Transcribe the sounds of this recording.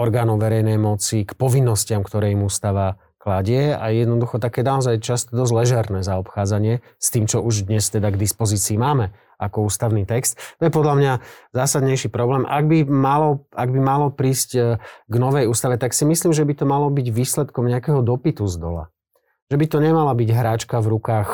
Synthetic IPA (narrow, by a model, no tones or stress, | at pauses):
ɔɾɡaːnɔʊʋɛɾɛjnɛjmɔt͡sikpɔʋinːɔscɪamkt̪ɔɾɛːimuːst̪aʋa | klaɟɪɛa̰jɛd̪nɔd̪uxɔt̪akɛːnaɔzajt͡ʃast̪ɔd̪ɔzlɛʒɛɾnɛːzaɔpxaːd͡zaɲɪɛ | st̪iːmt͡ʃɔʔuʒd̪ɲɛst̪ɛd̪aɡd̪ispɔziːt͡siːmaːmɛ | akɔuːst̪aʊnit̪ɛkst̪ːɔjɛpɔd̪lamɲazaːsad̪ɲɛjʃipɾɔblɛːmʔa̰ɡ̚bimalɔaɡbimalɔpɾiːscɡnɔʋɛjuːst̪aʋɛt̪aksimisliːmʒɛbit̪ɔmalɔbiɟʋiːslɛt̪kɔmɲɛakɛɦɔd̪ɔpit̪uzd̪ɔ̰la̰ | ʒ̥ɛbit̪ɔɲɛmalabiɟɦɾaːt͡ʃkavɾukaːx